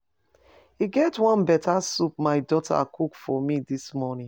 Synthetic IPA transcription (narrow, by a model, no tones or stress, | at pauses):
hiɡɛtwɔ̃nbɛtʰasup̚maɪdɔtʰa̰kʰukfɔmidismɔnĩŋ